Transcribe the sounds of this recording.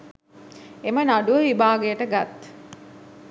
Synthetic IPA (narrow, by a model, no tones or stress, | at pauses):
emənaɖuəʋibaːɡejəʈəɡat̪